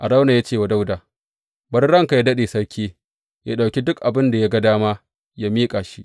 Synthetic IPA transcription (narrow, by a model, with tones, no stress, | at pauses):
ʔa˨ɽa˦wna˨ja˦t͡ʃeː˦˨wa˨da˦wda˨ | bɐ˦rɽɐ˦ŋka˨ja˦dɐ˦ɗeː˨sɐ˦ɽkʲʰeː˦ | jaː˦ɗa˨wkʲi˦dʊ˦kʔa˨bɪ˦nda˨ja˦ɡɐ˦daː˦maː˦ | jaː˦miː˦kʼaː˨ʃi˦ʔ